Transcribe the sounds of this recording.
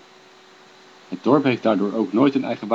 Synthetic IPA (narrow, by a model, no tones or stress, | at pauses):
ɦəd̚dɔɹpɦejfd̥aːɹdʊːɹowknojtənɛjχəʋ